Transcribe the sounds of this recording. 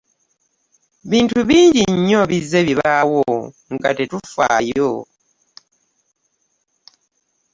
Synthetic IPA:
βiːntuβiːɲɟiɲɲːoβize̞βiβawo | ŋɡa̰tetufa̰jo

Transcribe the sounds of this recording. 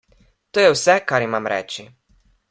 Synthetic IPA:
t̪oːjɛwsɛkaɾimaːmɾɛ̰ːt͡ʃi

